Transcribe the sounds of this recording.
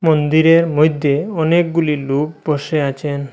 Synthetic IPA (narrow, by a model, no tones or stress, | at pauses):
mond̪iɾeɾmojd̪ʱːeɔnek̚ɡuliluk̚boʃeat͡ɕʰen